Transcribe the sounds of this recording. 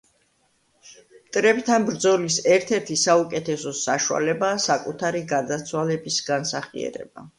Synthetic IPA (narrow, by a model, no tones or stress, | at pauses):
mt̪ʼɾɛpt̪ʰanbɾd̪zɔlisɛɾt̪ʰɛɾt̪ʰisaukʼɛt̪ʰɛsɔsaʃua̰lɛbaːsakʼut̪ʰaɾiɡad̪at̪sʰwalɛbisɡ̥ansaχḭɛ̰ɾɛ̰ba